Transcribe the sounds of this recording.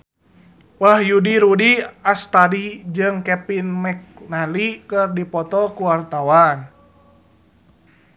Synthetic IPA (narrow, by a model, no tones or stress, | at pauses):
wahjudiɾudiast̪adid͡ʒɨŋkɛpinmɛk̚nalikərdipɔt̪ɔkuwart̪awan